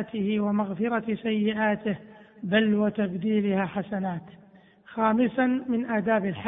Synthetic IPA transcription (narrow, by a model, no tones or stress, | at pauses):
t̪ɪhɪwamaɣfɪɾasajːɪʔaːt̪ɪhbalwɪt̪abd̪iːlɪhaːħasanaːt̪ | xaːmɪsanmɪnʔaːd̪aːbɪlħ